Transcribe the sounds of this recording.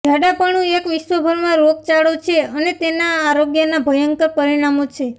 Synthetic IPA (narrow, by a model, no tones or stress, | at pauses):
d͡ʒʱjaɽapəɳũekʋɪʃʋəbʱəɾmãɾoɡ̚t͡ʃaɭot͡ʃʰeənet̪enaːɾoɡjənabʱəjəŋkəɾpəɾiɽ̃amot͡ʃʰe